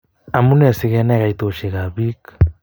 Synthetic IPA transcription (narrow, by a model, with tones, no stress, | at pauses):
a˨mu˦ne˨si˨ɣe˦ne˦ɣa˨it̪o˨ʃi˨ɣa˨βi˦k